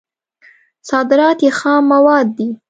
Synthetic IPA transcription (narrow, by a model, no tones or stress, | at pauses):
sɑd̪ɪɾɑt̪jexɑmːawɑd̪̚ːi